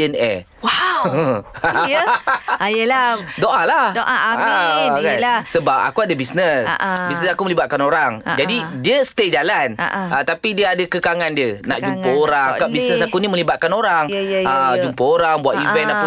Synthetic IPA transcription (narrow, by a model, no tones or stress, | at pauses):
ənɛ | wa | jəladoʔalahdoʔaakasəbap̚a̰kuadəbisnəsbisnəsakumə̃libaʔ̪̚kanoɾaŋd͡ʒadidiəst̪ed͡ʒalanʔət̪apidiəadakəkaŋandiəna̰ʔd͡ʒumpəoɾaŋakabisnəsakunĩmə̃libat̪̚kanoɾaŋəd͡ʒumpəoɾaŋbuwat̪ivɛnap